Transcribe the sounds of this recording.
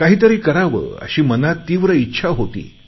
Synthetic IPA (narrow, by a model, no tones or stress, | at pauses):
kaɦiːt̪əɾiːkəɾaʋə̰ːə̰ɕiːmənat̪ːiːʋɾəitːɕʰaɦot̪ḭː